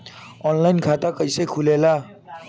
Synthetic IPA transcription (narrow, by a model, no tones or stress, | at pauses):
ɔnlajnkʰat̪akʌjsʌjkʰulela